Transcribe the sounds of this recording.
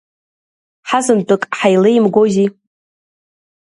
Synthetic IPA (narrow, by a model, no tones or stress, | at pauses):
ħazɨndʼɨkʼħajlejimɡʷozi